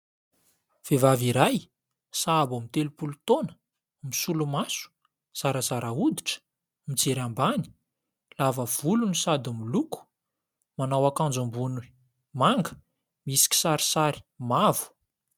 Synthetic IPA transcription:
v̥evaviɾaj | saːbamit̪elupulut̪onə | misulumasu̥ | z̥aɾəzaɾaud̪iʈ͡ʂə̥ | mit͡seɾambani̥ | lavəv̥ulunisad̪imiluku̥ | manawakand͡zambunu | maŋɡə̥ | misi̥kʲi̥saɾi̥saɾi̥mavu̥

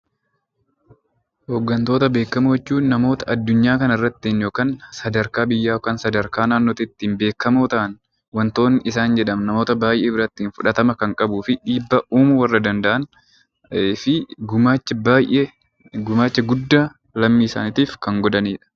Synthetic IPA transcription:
hoːɡːɐnt̪o̞ːt̪ɐbe̞ːkːɐmoɛt͡ʃːuːnːɐmo̞ːt̪ɐɐd̪ːʊɲːaːkɐnɪrːɐt̪ːiːnjo̞ːkaːnsɐd̪ɐɾkaːbɪjːaːkaːnsɐd̪ɐɾkaːnaːnːoːt̪ɪt̪ːiːnbe̞ːkːɐmoːt̪ɐʔɐn | wɐnt̪o̞ːnːɪɪsaːnd͡ʒɛᶑɐmnɐmo̞ːt̪ɐbaːjʔeːbɪɾɐt̪ːiːnfʊᶑɐt̪ɐmɐkɐŋkʼɐbuːfɪᶑiːbːɐʔuːmʊwɐrːɐd̪ɐnd̪ɐʔɐn | fɪɡʊmaːt͡ʃːɐbaːjʔe | ɡʊmaːt͡ʃːɐɡʊd̪ːaː | lɐmːiːsa̰ːnɪt̪iːfkɐŋɡɔd̪ɐniːᶑɐ̥

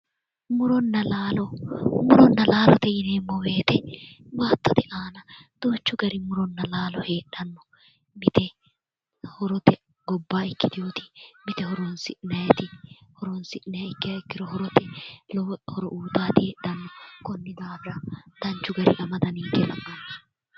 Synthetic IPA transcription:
mʊɾɔnːɐlaːlɔmʊɾɔnːɐlaːlɔt̪ɛjɪneːmːɔwe̞ːt̪ɛbaːt̪ːɐt̪ɛʔaːnɐd̪̥oːt͡ʃːʊɡɐɾɪmʊɾɔnːɐlaːlɔheːɗɐnːɔ | mɪt̪ɛ | hɔɾɔt̪ɛ | ɡɔbːaːɪkːɪt̪ɪjoːt̪ɪ̥mɪt̪ɛhɔɾɔnsɪnɐjɛt̪ɪhɔɾɔnsɪnɐjɪkːɪɐɪkːɪɾɔhɔɾɔt̪ɛlːhɔɾɔʔuːt̪aːt̪ɪeːɗɐnːɔkɔnːɪd̪aːbɪɾɐd̪̥ɐnt͡ʃːʊɡɐɾɪ̰ʔɐmɐd̪ɐniŋkɛlɐmːɐnɪ

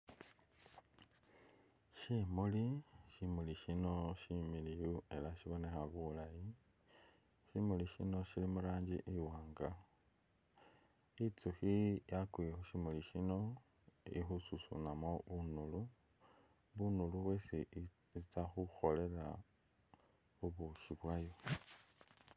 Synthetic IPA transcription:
ʃimuliʃimuliʃino̞ʃimilijue̞laʃiβo̞ne̞xaβulaji | ʃimuliʃḭno̞ʃilimuɾaːɲɟiʔiwaːŋɡa | it͡suxijakuexuʃimuliʃino̞ | ḭxususṵnamoβunulu | βunuluβwesi | zit͡saxuxo̞le̞ɾa | uβuʃiβwajo

